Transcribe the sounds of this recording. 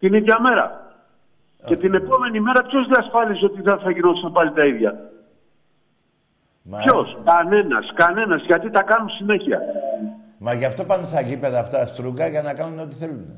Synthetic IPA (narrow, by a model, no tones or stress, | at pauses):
t̪iniðʝɐme̞ɾɐ̰ | ce̞t̪ine̞po̞me̞nime̞ɾɐpço̞zðiɐsfɐliso̞t̪iθɐθɐʝino̞θisɐmpɐlit̪ɐiðʝɐ | pço̞skɐne̞nɐ̰skɐne̞nɐzʝɐt̪it̪ɐkɐnunsine̞çiɐ̰ | mɐʝɐft̪o̞pɐnd̪osɐʝipeðɐːft̪ɐst̪ɾuɡɐʝɐnɐkɐnunot̪iθelun